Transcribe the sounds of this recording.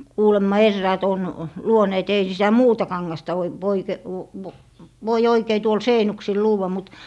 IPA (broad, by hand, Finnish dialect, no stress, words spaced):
kuːlemːɑ erːæːt on luoneːt ei sitæ muːtɑ kɑŋːɑstɑ oi ʋoike ʋ ʋ ʋoi oikei tuol seinuksil luːwːɑ mut